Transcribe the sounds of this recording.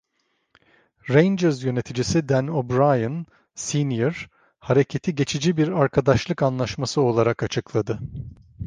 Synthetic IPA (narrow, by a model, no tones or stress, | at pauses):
ɾejnd͡ʒɛɾzjø̞ne̞t̪ʰid͡ʒisid̪ænobɾajan | sinjɛɾ̥ | haɾe̞cʰe̞t̪ʰiɟe̞t͡ʃʰid͡ʒibiɾaɾkʰad̪aʃlˠɯkanlˠaʃmasɯo̞lˠaɾakat͡ʃʰɯklˠad̪ɯ